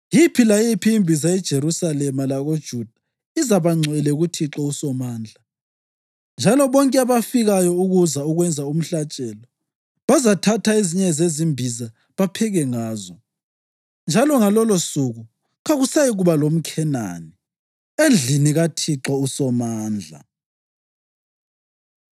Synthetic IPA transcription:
jipʰilajipʰiːmbʱizaɛd̥ʒ̥ʱeɾusalɛmalaɣod̥ʒ̥ʱud̥ʱa | izaβaŋ͡ǀʱɛlɛuɣutʰiǁɔusɔmaːnd͡ɮʱa | nd͡ʒʱalɔβɔŋkʼɛaβafiɣajɔuɣuzauɣwɛnd͡zʱaum̩ɬat͡ʃʼɛːlɔ | βazatʰatʰaiziɲɛzezimbʱiza | βapʰɛɣɛŋaːzɔ | nd͡ʒʱalɔŋalɔlosuɣu | ɣaɣusajiɣuβalom̩kʰɛna̰ːni | end͡ɮʱiniɣatʰiǁɔusɔmaːnd͡ɮʱa̰

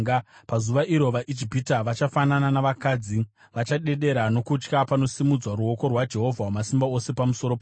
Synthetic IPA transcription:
pazuʋaʔiɾo̞ʋaʔid͡ʒipitaʋat͡ʃafanananaʋakaːd͡zi | ʋat͡ʃaɗe̞ɗe̞ɾano̞kut͡ʃkapano̞simud͡zwaɾuo̞ko̞rwad͡ʒe̞ɦo̞vʱawamasimbao̞se̞pamusoɾop

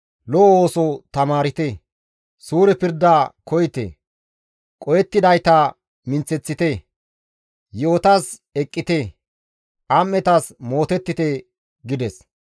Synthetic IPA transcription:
lɔʔoːsɔt̪ɐmaːɾɪt̪e | suːɾɛpɪɾd̪aːkʰɔjt̪ḛ | kʼɔjɛt̪ːɪd̪ɐjt̪a | mɪnt͡sːɛt͡sːɪt̪e | joːt̪asɛkʼːɪt̪e | ʔɐmːɛt̪ɐsmo̞ːt̪ɛt̪ːɪt̪ɛ | ɡɪd̪ɛs

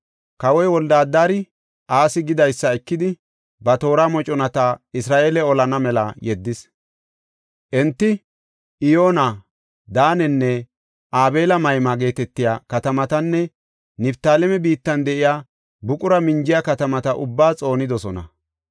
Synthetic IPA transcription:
kɐwɔjwɔld̪aːd̪ːaːɾɪ | ʔaːsɪɡɪd̪ɐjsːɐɛkːɪd̪ɪ | bɐt̪o̞ːɾaːmɔt͡ʃʼɔnɐt̪aɪsɾaːʔeːlɛɔlɐnɐmɛlɐjɛd̪ːɪs | ʔɛnt̪ːɪ | ʔɪjo̞ːna | d̪aːnɛnːɛ | ʔaːbe̞ːlɐmɐjmaɡe̞ːt̪ɛt̪ːɪjaːkɐt̪ɐmɐt̪ɐnːɛ | nɪbt̪aːlɛmɛbiːt̪ːɐnd̪ɛʔɪjaː | bʊkʼʊɾɐmɪɲd͡ʒɪjakɐt̪ɐmɐt̪ɐʔʊ̰bːaːt͡sʼo̞ːnɪd̪ɔsɔnɐ̰

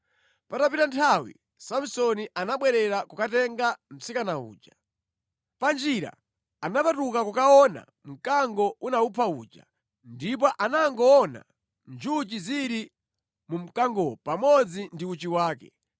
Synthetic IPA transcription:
patapitantʰawḭ | sam̩sɔniʔanaɓwɛɾɛɾakukatɛŋɡam̩sikanaṵːt͡ʃa | pand͡ʒiɾa̰ | anapatukakukaɔna̰ | m̩kaŋɡɔunaupʰauːt͡ʃa̰ | ndip̬ɔʔanaŋɡɔːna̰ | nd͡ʒut͡ʃiziɾi | mum̩kaŋɡɔpamɔd͡zindiut͡ʃiwaːkɛ̰

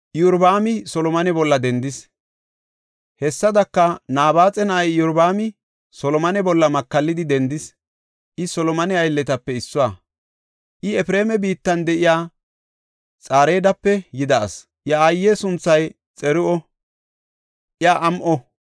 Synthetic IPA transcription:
jʊɾbaːmɪsɔlɔmɐnɛbɔlːɐd̪ɛnd̪ɪs | hɛsːɐd̪ɐkːɐnaːbaːt͡sʼɛnɐɐjjʊɾbaːmɪ | sɔlɔmɐnɛbɔlːɐmɐkːɐlːɪd̪ɪd̪ɛnd̪ɪs | ʔɪsɔlɔmɐnɛɐjlːɛt̪ɐpːɛɪsːʊaː | ʔɪɛfɾe̞ːmɛbiːt̪ːɐnd̪ɛʔɪjaː | t͡sʼaːɾeːd̪ɐpːɛjɪd̪ɐ̰ːs | ʔjɐːjːesʊnt͡sːɐj | t͡sʼɛɾʊʔɔ | ʔjaʔɐmʔɔ

